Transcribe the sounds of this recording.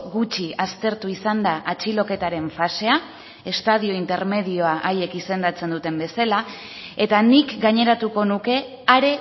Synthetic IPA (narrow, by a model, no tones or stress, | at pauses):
ɣut͡ʃiast̪e̞ɾt̪uisand̪aʔat͡ʃilo̞ke̞t̪aɾe̞ɱfase̞a | e̞st̪að̞io̞int̪e̞ɾme̞ðio̞aʔaje̞kise̞nd̪at͡se̞nd̪ut̪e̞mbe̞sala | e̞t̪anikɡaɲe̞ɾat̪uko̞nuke̞ | aɾe̞